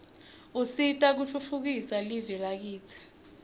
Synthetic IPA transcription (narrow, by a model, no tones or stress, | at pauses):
usitʼak̬uɬʰufuk̬isalivɛlak̬iːt͡sʰi̥